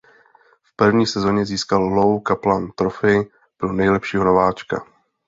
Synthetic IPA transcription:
fpr̩vɲiːsɛzo̞ɲɛziːskallowkaplant̪ɾofɪ | pɾonɛjlɛpʃiːɦo̞no̞vaːt͡ʃka̰

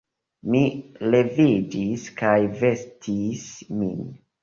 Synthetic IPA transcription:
mile̞vid͡ʒiskajve̞stʰismḭn

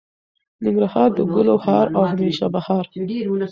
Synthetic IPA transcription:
nɪŋɡɾahɑɾd̪əɡʊlohɑɾawmeʃɑbahɑɾ

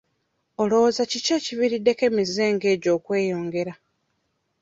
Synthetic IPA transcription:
olo̞zaciceciviɾidːe̞ke̞mizeːŋɡe̞ːɟo̞ːkwe̞ːjo̞ːŋɡe̞ɾa

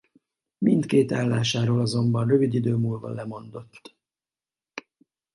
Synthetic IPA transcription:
mint̪keːt̪aːlːaːʃaːɾoːlɒzo̞mbɒnrøvid̪id̪øːmuːlvɒ̰lːɛmo̞nd̪o̞t̪ː

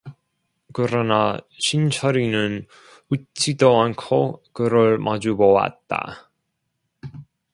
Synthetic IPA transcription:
kɯɾʌnaɕʰint͡ɕʰʌɾinɯn | ut͡ɕ͈idoankʰokɯɾɯɭmad͡ʑubowa̰t̚t͈a̰

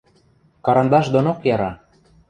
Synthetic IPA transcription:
kɑɾɑnd̪ɑʃd̪onokjɑɾɑ

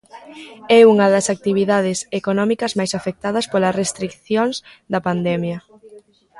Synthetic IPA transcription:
ɛuŋɐðɐsak̚t̪iβ̞iðað̞ɪsekonɔmikɐzmajsafek̚t̪að̞ɐspolɐsrest̪ɾikθjoŋzd̪ɐpand̪ɛmjɐ

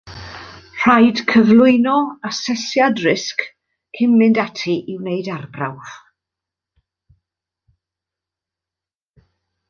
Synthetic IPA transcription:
r̥ajd̥kʰəvlˠʊɨnɔasɛsjadrɪsk | kʰɪmmɪndatʰiʔɪwnejdarbra̰wð̥

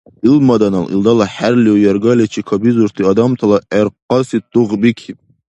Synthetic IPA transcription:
ilmɑd̪ɑnɑlʔḭlˠd̪ɑlˠɑħæɾlijɑɾɡɑlɛt͡ʃʰikʰɑbizuɾt̪ʰɨɑd̪ɑmt̪ʰɑlˠɑʔɛɾqɑsit̪uʁbikʲʰib̚

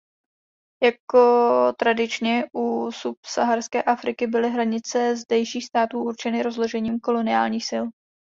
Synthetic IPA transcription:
jako̞t̪ɾadɪt͡ʃɲɛʔusupsaɦarskɛːʔafɾɪkɪbɪlɪɦɾaɲɪt͡sɛzdɛjʃiːxst̪aːt̪uːʔuɾt͡ʃɛnɪɾo̞zlo̞ʒɛɲiːmko̞lo̞nɪaːlɲiːxsɪl

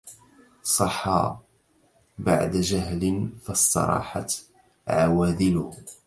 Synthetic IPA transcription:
sˤɑħːɑ̰ | ba̰ʕd̪aʒaɦlɪnfɑsˤt̪ɑ̰ɾˤɑ̰ːħa̰t̪ | ʕawæːðɪlʊh

